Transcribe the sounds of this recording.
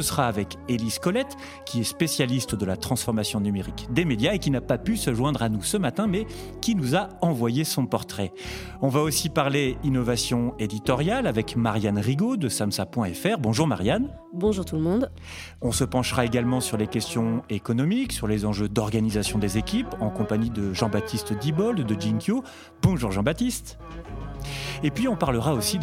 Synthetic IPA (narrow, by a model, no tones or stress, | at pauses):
səsəʁaːvɛkeliskɔlɛt̪ | kʲiɛspesjalist̪d̪əlat̪χɑ̃sfɔʁmasjɔ̃nymeʁikd̪emed̪jaekʲinapapysəʒwɛ̃d̪ʁanusəmat̪ɛ̃mɛ | kʲinuzaɑ̃vwajesɔ̃pɔʁt̪χɛ | ɔ̃vaosipaʁleinɔvasjɔ̃ed̪it̪ɔʁjalavɛkmaʁjanʁiɡod̪əsamsapwɛ̃ɛfɛʁbɔ̃ʒuʁmaʁjan | bɔ̃ʒuʁt̪ulmɔ̃d̪ | ɔ̃səpɑ̃ʃʁaeɡalmɑ̃syʁlekʲɛst̪jɔ̃ekɔnɔmiksyʁlezɑ̃ʒød̪ɔʁɡanizasjɔ̃d̪ezekʲipɑ̃kɔ̃paɲid̪əʒɑ̃bat̪ʰist̪d̪ibɔld̪d̪əd͡ʒiŋkjo | b̥ɔ̃ʒuʁʒɑ̃bat̪ist̪ | epɥiɔ̃paʁləʁaosi